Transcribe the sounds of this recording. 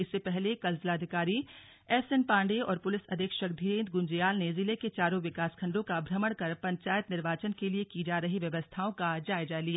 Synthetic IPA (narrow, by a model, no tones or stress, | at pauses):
ɪsːepɛɦlekɐlzlaːd̪ʱɪkaːɾi | ɛːfsenpãːɳɖeɔːɾpʊlɪsɐ̰d̪ʱeːkʃək̚d̪ʱiɾẽːnt̪ɡʊ̃ɲd͡ʒijaːlnezɪleket͡ʃaːɾõʋɪkaːskʰɐ̃ɳɖõkabʱɾɐməɽ̃kɐɾpɐ̃ɲt͡ʃaːjət̪nɪɾʋaːt͡ʃənkeliekid͡ʒaːɾɐɦiʋjɐʋəst̪ʰaːõkad͡ʒaːjd͡ʒalija